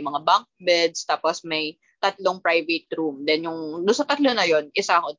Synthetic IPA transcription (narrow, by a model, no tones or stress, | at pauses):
mɐŋabaŋk̚bɛd̪st̪aːposmɐj | t̪ɐt̪loŋpɾajvɛt̪̚ɾumd̪ɛnjʊŋd̪ʊnsɐt̪ɐt̪lonɐjo̞nʔɪsako